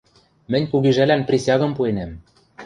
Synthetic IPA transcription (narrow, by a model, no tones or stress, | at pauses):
mɘ̆nʲkuɣiʒælænprʲesʲɑɣɤ̆mpuenæm